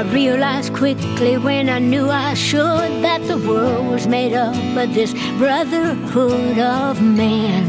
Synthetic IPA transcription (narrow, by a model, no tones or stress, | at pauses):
aɪɹiɨlaɪzkʰw̥ɪk | liwɨ̃naɪnjuaɪʃʊd̪̚ðət̪̚ðəwɜ˞lˠd̚wʌzmeɪɾʌp̚b̥ʌtðɪs | b̥ɹʌðə˞hʊɾʌvmæ̃n